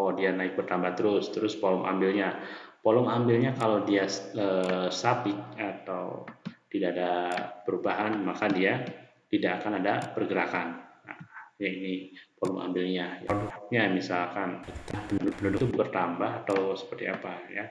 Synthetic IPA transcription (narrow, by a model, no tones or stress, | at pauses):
aadianaɪk̚bərt̪ambaht̪əɾʊst̪əɾʊspolɔŋʔa̰mbɪlɲapolɔŋambɪlɲakalodiaəsap̪ɪk̚at̪awt̪idaʔːdapəɾubaɦanmakadia | t̪idaʔːkanadapərɡəɾakanaʔjainipolɔŋa̰mbɪlɲajadʊk̚ɲamisalkant̪apənudʊpənudʊt̪ubərt̪ambaɦat̪awsə̥pərt̪iapaja̰